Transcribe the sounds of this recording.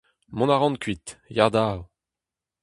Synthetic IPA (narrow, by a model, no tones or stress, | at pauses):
mɔ̃naʁɑ̃nkɥit̪jaʁd̪aːw